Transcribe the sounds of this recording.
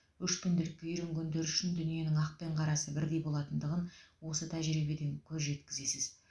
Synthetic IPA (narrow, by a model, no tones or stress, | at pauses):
ʏʃkʲʰʏnd̪e̞lɪkʲːɪjʏɾɪŋkʲʰɵnd̪e̞ɾʏʃɪnd̪ʏnije̞nɪŋɑq̚pe̞ɴqʰɑɾɑsəbɪɾd̪e̞jbo̞lˠɑt̪ənd̪əʁənwo̞sət̪ʰæʒɾibe̞d̪e̞ŋkʲʰɵzʒe̞t̪kʲɪze̞sɪz̥